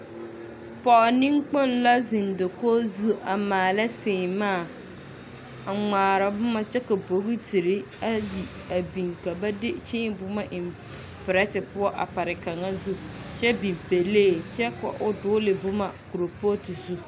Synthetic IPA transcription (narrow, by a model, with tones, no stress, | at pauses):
pɔ˨ʔɔ˨ni˦ŋk͡po˦nla˦zɪ˨ndo˨koː˦zu˦ʔa˨maː˨la˦sɪː˨maː˦˨ | ŋ͡maː˨ɾa˨bʊ˦ma˦t͡ʃɛ˦ka˨bo˨ɣi˦ti˨ɾɪ˦ | a˦ji˨ | a˨bi˨ŋka˨ba˦dɪ˦t͡ʃɪ̃ː˦bʊ˦ma˦ʔɪ˨m | pɪ˨ɾɛ˦tɪ˨pʊ˦ɔ˦ʔa̰˨pa˨ɾɪ˨ka˨ŋa˦zu˦ʃɛ˦bi˨mpe˨leː˦˨t͡ʃɛ˦ka̰˨ʔʊ˨dʊ˦lɪ˨bʊ˦ma˨ku˨ɾo˨po˦ti˨zu˦